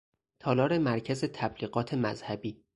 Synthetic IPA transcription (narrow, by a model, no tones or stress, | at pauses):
t̪ʰɒːlɒːɾe̞mæɾcʰæze̞t̪ʰæbliːɣɢɒːt̪ʰe̞mæ̰zhæbiː